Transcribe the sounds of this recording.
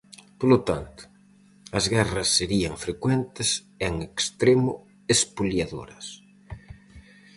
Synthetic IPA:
polot̪ant̪ʊ̥ | ɐzɣɛrɐsːeɾiɐŋfɾekwɛnt̪es | eŋekst̪ɾemʊ̰ | espuljaðo̰ɾɐs

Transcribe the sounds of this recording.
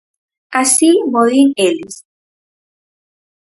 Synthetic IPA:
asimoðiŋelis

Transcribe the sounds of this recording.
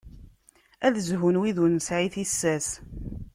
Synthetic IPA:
æðzɦunwiðunsʕiθisːæs

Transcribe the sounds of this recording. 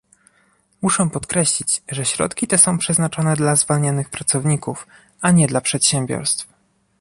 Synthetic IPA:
muʂɛ̃pɔt̪kɾɛɕlʲit͡ɕʐɛɕɾɔ̰t̪kʲit̪ɛsɔ̃w̃pʂɛznat͡ʂɔnɛd̪lazvalɲanɘxpɾat̪sɔvɲikuf | ʔaɲɛd̪lapʂɛt̪ɕɛmbʲjɔ̰ɾst̪f

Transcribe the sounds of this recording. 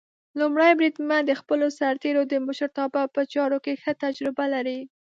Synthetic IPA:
lumɽajbɾid̪mad̪əxpəlosaɾt̪eɾod̪əmʊʃəɾt̪ɑbapət͡ʃɑɾokexət̪ad͡ʒɾɪbalaɾi

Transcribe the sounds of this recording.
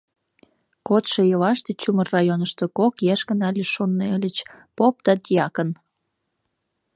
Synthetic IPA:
kot̪ʃejəlɑʃt̪et͡ɕumərɑjonəʃt̪okokjæʃkənɑlʲeʃonːelʲət͡ɕ | pop̚t̪ɑt̪jɑkən

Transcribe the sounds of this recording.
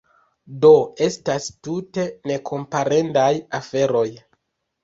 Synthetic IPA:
do̞e̞stastute̞ne̞kʰo̞mpaɾe̞ndajafe̞ɾo̞j

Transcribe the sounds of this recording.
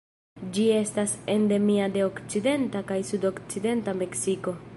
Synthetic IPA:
d͡ʒie̞stase̞nde̞miade̞o̞kt͡side̞ntakajsudo̞kt͡side̞ntame̞ksiko̞

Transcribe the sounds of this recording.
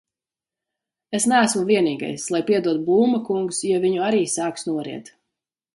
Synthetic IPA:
esnæːsmuviɛniːɡa̰jslˠajpiɛd̪uɔt̪̚buːmakuŋksjaviɲuaɾiːsaːksnuɔɾḭɛ̰t̪

